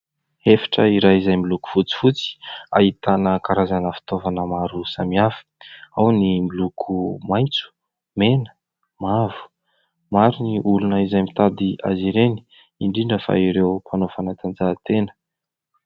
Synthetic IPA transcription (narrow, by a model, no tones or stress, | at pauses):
efḁʈ͡ʂəiɾaizajmiluku̥fut͡si̥fut͡si̥a̰ɦit̪anəkaɾazanəfi̥t̪ovanəmaɾusamiafi̥awnimilukʰumajnt͡su̥ | menə̥ | mavu̥ | maɾuniʔulunəizajmit̪ad̪ia̰ziɾeni̥ | iɳɖ͡ʐiɳɖ͡ʐəfa̰iɾewpʰanofanat̪and͡zat̪enə̥